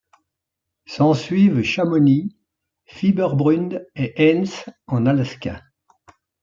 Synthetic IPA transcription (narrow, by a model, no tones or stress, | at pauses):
sɑ̃sɥivʃamɔni | fibœʁbʁynd̪eʔɛnsɑ̃nalaskʲa̰